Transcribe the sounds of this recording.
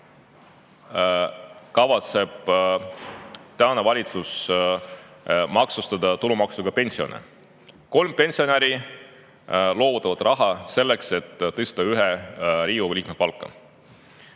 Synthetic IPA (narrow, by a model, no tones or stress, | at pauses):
kɑvɑt̪se̞b̥ | t̪æonevɑlʲit̪sus | mɑksust̪ɑd̪̥ɑt̪ulumɑksuɡ̥ɑpe̞nʲsio̞̰nḛ | ko̞lmpe̞nʲsio̞neɾi | lo̞ːvut̪ːˑɑvɑd̪̥rʔɑɦɑse̞lːe̞kse̞t̪ːɤst̪ɑyɦeɾiːuliːk̚mepɑlkːˑɑ̰